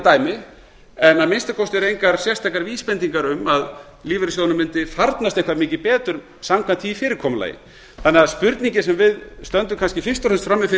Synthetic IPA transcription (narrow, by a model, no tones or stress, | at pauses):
t̪aːjmɪ | ɛnaðmɪnst̪akʰɔwst̪ɛɾejŋkaɾ̥sjɛst̪ajkaɾviːspɛnt̪iŋkaɾʏmað | liːvɪɾɪs̬ownʏmɪnt̪ɪfaɾt̪nast̪ejhkvaɾmɪːcɪpɛːt̪ʏɾ | samkʰvant̪viːfɪːɾɪɾkʰɔːmʏla̰ːjɪ̰ | θanːɛaðspʏɾt̪niɲcɪsɛmvɪðst̪œnt̪̬ʏmkʰanscɪfɪst̪ɔɾɛnst̪fɾamːɪfɪ